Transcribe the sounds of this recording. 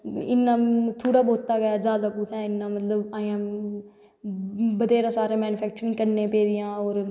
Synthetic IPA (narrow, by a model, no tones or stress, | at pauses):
ɪnːãːt̪ʰoːɽaːboːt̪ːaːɡəjaːzaːd̪aːpuːt̪ʰɛ̃ːɪnːãːmət̪ləbaːjãː | bəd̪eːɾãːsaːɾẽːmɛːnʊpʰɛːk̚t͡ʃəɾɪ̃ŋɡkəɾnẽːpeːd̪ɪjãːoːɾ